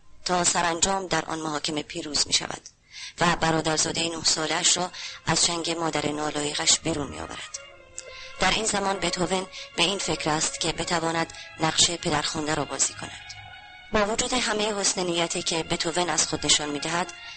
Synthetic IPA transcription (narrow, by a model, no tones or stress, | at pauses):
t̪ʰɒːsæɾænd͡ʒɒːmd̪æɾʔɒ̰nmoɦɒːcʰe̞me̞pʰiːɾuːz̥mḭːʃæ̰væ̰d̪̥ | væbæɾɒːd̪æɾzɒːd̪ejinohsɒːleæʃɾɒːæz̥t͡ʃʰæŋɟe̞mɒːd̪æɾʔenɒːlɒːjeɣæʃbiːɾuːnmḭjɒ̰ːvæ̰ɾæd̪̥ | d̪̥æɾiːnzæmɒːnbet̪ʰovenb̥e̞iːnfe̞cʰɾæːst̪cʲʰe̞be̞t̪ʰævɒːnæd̪næʁʃe̞pʰe̞d̪æɾxund̪æɾɒːbɒːziːkʰo̞̰næd̪̥ | bɒːvod͡ʒuːd̪eɦæme̞jehosnenijːæt̪ʰiːcʰe̞be̞t̪ʰovenæz̥xod̪ne̞ʃɒnmiːd̪æɦæd̪̥